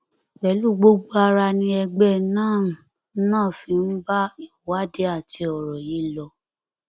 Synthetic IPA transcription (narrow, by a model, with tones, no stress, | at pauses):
k͡pɛ˨˦lu˦˨ɡ͡bo˦ɡ͡bo˦a˧ɾa˧nĩ˧˦ɛ˧ɡ͡bɛ˦˨nãː˦˨˦ | nãː˦˨fi˧n̩˦ba˦i˨wa˦de˦a˦˨ti˧ɔ˨ɾɔ˨ji˨˦lɔ˧˦